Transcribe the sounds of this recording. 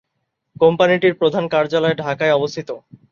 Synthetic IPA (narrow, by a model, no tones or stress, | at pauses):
kompaniʈiɾpɾod̪ʱankaɾd͡ʑalɔeɖʱakaeɔbost̪ʰit̪o